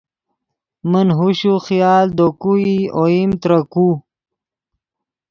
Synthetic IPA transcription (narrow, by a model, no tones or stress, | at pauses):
mənɦuɕuxijaːld̪okuioimt̪ɾəku